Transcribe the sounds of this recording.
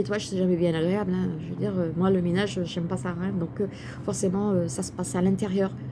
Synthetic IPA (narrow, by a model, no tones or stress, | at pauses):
et̪waʒəsɛʒamɛbjɛ̃naɡʁeablɛ̃ʒəvəd̪iʁømwaləmenaʒøʒɛmpasaɛ̃d̪ɔ̃kø | fɔʁsemɑ̃øsasə̥pasalɛ̃t̪eʁjœːʁ